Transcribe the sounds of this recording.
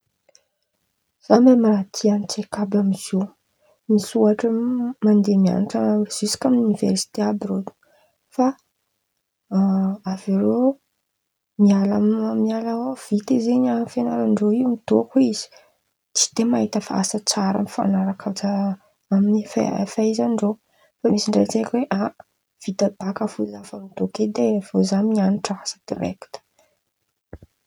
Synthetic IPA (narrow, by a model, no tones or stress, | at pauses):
z̥amamiɾat̪ʰianit͡sekabamiz̥o | misuaʈ͡ʂəmand̪emia̰niʈ͡ʂaez̥usi̥kamunivḛɾsi̥t̪eabirod̪i̥ | fa | aviɾo | mialamialawv̥it̪ezeɲanfenaɾaɳɖ͡ʐoiumit̪okuiz̥i̥ | t͡si̥d̪̥emaɦit̪əfa̰ʔa̰sət͡saɾa̰mifa̰naɾakʰat͡sa | aminifafaizaɳɖ͡ʐo | famisiɳɖ͡ʐet͡sekweʔa | v̥id̪ab̥akəfuzafamit̪oked̪evozaɲianiʈ͡ʂəasə̥d̪̥ḭɾɛ̰kt̪ə̥